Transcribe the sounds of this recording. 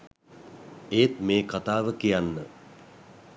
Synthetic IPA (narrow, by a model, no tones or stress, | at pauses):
eːt̪meːkat̪aːʋəkijanːə